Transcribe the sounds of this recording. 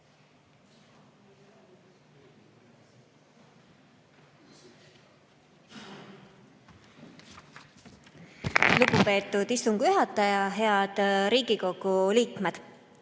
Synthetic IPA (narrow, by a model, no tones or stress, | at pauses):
lupupe̞ːt̪ːˑud̪ist̪uŋɡ̥jyɦɑt̪ːˑɑjɑɦe̞ɑd̪̥ɾiːɡiko̞ɡ̥uliːkme̞d̪̥